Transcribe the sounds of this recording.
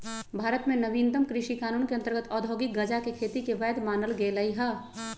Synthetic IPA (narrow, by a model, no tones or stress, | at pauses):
bʱaːɾət̪mẽnɐʋiːnd̪əmkɾɪʃikaːnuːnkeɐ̃nt̪əɾɡət̪ɔːd̪ʱoːɡɪk̚ɡɐd͡ʒakekʰeːt̪ikeʋɛːd̪maːnəlɡelɐiɦɐː